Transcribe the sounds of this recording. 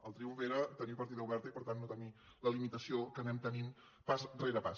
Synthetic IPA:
əlˠt̪ɾiuɱfeɾət̪ənipəɾt̪iðəuβɛɾt̪əipəɾt̪anːot̪əni | ləlimit̪əsiokənɛmt̪ənin | pasreɾəpas

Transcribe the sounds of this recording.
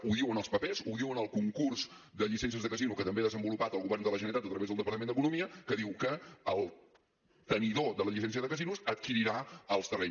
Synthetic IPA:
uðiwənəlˠspəpezuðiwənəlˠkuŋkurz | d̪əʎisɛns̬iəzðəkəzinukət̪əmbeðəzəmbulupat̪əlˠɣuβɛrnd̪ələʒənit̪at̪ət̪ɾəβezðəlˠd̪əpəɾt̪əmend̪əkunumiəkəðiwkəəlˠ | t̪əniðoðələʎisɛns̬iəðəkəzinusət̪kiɾiɾaəlˠst̪ərɛ

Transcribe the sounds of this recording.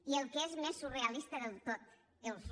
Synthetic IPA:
ielˠkezmesːureɐlist̪əðəlˠt̪ot̪̚ | d̪əlˠs

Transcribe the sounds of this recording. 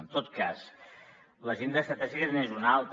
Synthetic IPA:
nt̪ot̪kas | ləʒend̪əst̪at̪asiɣeɾnezunalˠt̪

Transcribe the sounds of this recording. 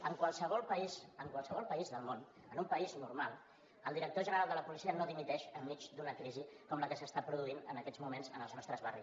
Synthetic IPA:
əŋkwəlˠsəβɔlˠpəizəŋkwalˠsəβ̞ɔlˠpəizðəlˠmon | ənumpəiznurmalˠ | əlˠd̪iɾək̚t̪oʒənəɾalˠd̪ələpulisiənoðimit̪ɛʃəmːit͡ʃd̪unəkɾizikɔmləkəsəst̪apɾuðuinənəkɛd͡zmumenzənəlˠznɔst̪ɾəzβari

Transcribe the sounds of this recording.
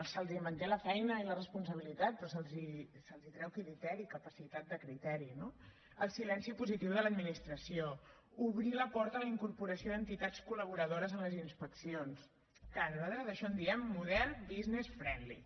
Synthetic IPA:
əlˠsəlˠzimənt̪eləfɛjnəilərəspuns̬əβilit̪at̪̚pɾɔsəlˠzisəlˠzit̪ɾɛwkilit̪ɛɾikəpəsit̪at̪̚d̪əkɾit̪ɛɾino | əlˠsilɛnsipuzit̪iwðələd̪minist̪ɾəsio | uβɾiləpɔɾt̪ələiŋkuɾpuɾəsioðənt̪it̪at͡skuləβ̞uɾəðoɾəzənləzinspəksions | kanzaðəðəʃɔnd̪iɛmːuðɛrnbiznesfɾɛnlḭ

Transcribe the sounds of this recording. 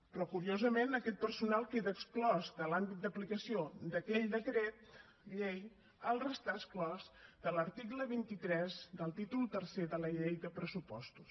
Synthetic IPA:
pɾɔkuɾiozəmenəkɛt̪̚pərsunalˠkeðəːksklɔzd̪əlambit̪̚d̪əplikəsiod̪əkɛʎd̪əkɾɛt̪ | ʎej | əlˠrəst̪aəsklɔzd̪ələɾt̪ikləβint̪it̪ɾɛzd̪əlˠt̪it̪ulˠt̪ərseðələʎejðəpɾəsupɔst̪u̥s

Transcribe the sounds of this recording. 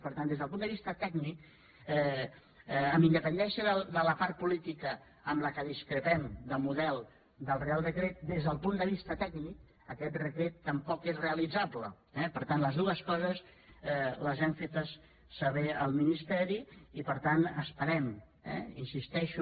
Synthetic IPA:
pəɾt̪and̪ezðəlpund̪əβist̪ət̪ɛɡnik̚ | ɛ | əmbind̪əpənd̪ɛsəðəd̪ələpaɾt̪̚pulit̪ikə | əmləkəðiskɾəpɛmd̪əmuðɛlˠ | d̪əlˠrealˠd̪əkɾet̪̚d̪ezðəlˠpund̪əβ̞ist̪ət̪ɛɡnik | əkɛt̪̚rəkɾet̪ːəmpɔkezreəlid͡zablə | ɛpəɾt̪anləzðuəskɔzəsɛləzɛmfet̪əsː | əβɛəlˠminist̪ɛɾiipəɾt̪anəspəɾɛm | ɛ̰insist̪ɛʃu

